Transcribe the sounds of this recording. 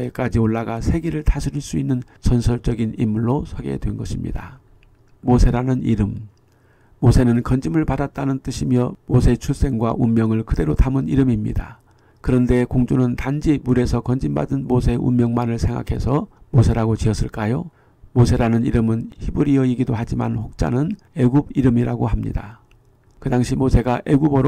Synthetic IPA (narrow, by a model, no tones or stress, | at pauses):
ek͈ad͡ʑioɭːaɡasʰe̞ɡiɾɯɭtʰasʰiɾiɭs͈uinːɯn | sʰʌnsʰʌɭt͡ɕ͈ʌɡinimːuɭːosʰʌɡe̞̰dwe̞nɡʌɕʰimɲḭda̰ | mosʰe̞ɾanɯnḭɾɯmː | osʰe̞nɯnkʌnd͡ʑimɯɭpadat̚t͈anɯnt͈ɯɕʰimjʌmosʰe̞t͡ɕʰuɭs͈e̞ŋɡwaʔummːjʌŋɯɭkɯde̞ɾotʰamɯniɾɯmimɲḭda̰ | kɯɾʌnde̞koŋd͡ʑunɯntand͡ʑimuɾe̞sʰʌkʌnd͡ʑimba̰dɯnmosʰe̞ʔṵmmjʌŋmanɯɭsʰe̞ŋɡa̰kʰe̞sʰʌmosʰe̞ɾaɡot͡ɕiʌs͈ɯɭk͈ajo | mosʰe̞ɾanɯniɾɯmɯnçibuɾiʌiɡidohad͡ʑima̰nɸok̚t͡ɕ͈a̰nɯn | e̞ɡubiɾɯmiɾaɡoɦamɲḭda | kɯdaŋɕʰimosʰe̞ɡaʔeɡubɯɾo